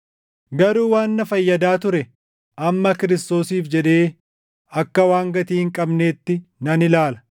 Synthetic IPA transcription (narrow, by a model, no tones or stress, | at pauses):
ɡɐɾuːwaːnːɐfɐjːɐd̪aːt̪ʊɾɛ | ʔɐmːɐkɪɾɪst̪o̞ːsiːfd͡ʒɛd̪e̞ː | ɐkːɐwaːŋɡɐt̪iːhɪŋkʼɐbne̞ːt̪ːɪnɐnɪlaːlɐ̥